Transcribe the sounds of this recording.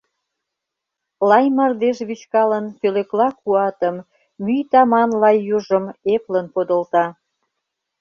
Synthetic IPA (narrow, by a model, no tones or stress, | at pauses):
lɑjmɑrd̪eʃβyt͡ɕkɑlənpøløklɑkuɑt̪əmː | yjt̪ɑmɑnlɑjːuʒəmeplənpod̪ə̆lt̪ɑ